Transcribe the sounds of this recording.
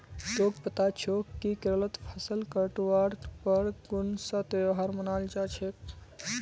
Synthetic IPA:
d͡ʒoːɡpət̪at͡ʃʰokikɾələt̪pʰəsəlkəʈʋaɾpəɾɡʊnsat̪eɦaɾmənald͡ʒat͡ʃʰek

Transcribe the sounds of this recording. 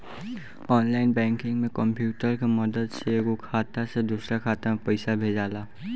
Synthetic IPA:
ɔːnlaːɪnbɛ̃ːŋkɪ̃ŋɡmẽkə̃mpjuːʈəɾkeməd̪əd̪seɡokʰaːt̪ased̪uːsɾakʰaːt̪amẽpɐɪsabʱeːd͡ʒaːlaː

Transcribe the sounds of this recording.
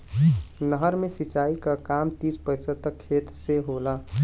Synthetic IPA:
nəɦəɾmẽsit͡ʃaːikakamt̪ispəsət̪əkʰːeːt̪seɦola

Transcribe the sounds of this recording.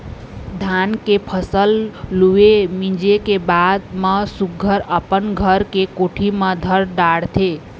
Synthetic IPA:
d̪ʱankepʰəsəlluemĩd͡ʒekebad̪məsuɡʱəɾəpənɡʱəɾkekoʈʰiməd̪ʱəɾɖaɽt̪ʰe

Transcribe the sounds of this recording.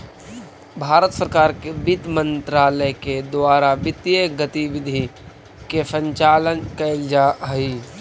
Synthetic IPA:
bʱaːɾət̪səɾkaːɾkebɪt̪mə̃nt̪ɾaːləked̪ʊaːɾabɪt̪jeɡət̪iʋɪd̪ʱi | kesə̃ɲt͡ʃaːlənkəɪld͡ʒaɦiː

